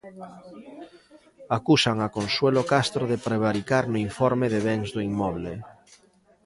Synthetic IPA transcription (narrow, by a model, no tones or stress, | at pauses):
akusaŋakonswelokast̪ɾoðepɾeβ̞aɾikaɾnoiɱfɔɾmeðeβ̞ɛŋzðoiŋmːɔβ̞le